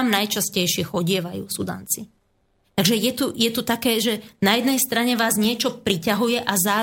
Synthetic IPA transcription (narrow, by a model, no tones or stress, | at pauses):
mnajt͡ʃascɛjʃɪɛxɔɟɪɛʋajṵːsud̪a̰ːnt͡si | t̪aɡʒɛjɛt̪ujɛt̪ut̪akɛːʒɛnajɛd̪nɛjst̪ɾaɲɛʋaːzɲɪɛt͡ʃɔpɾicaɦujɛʔazaː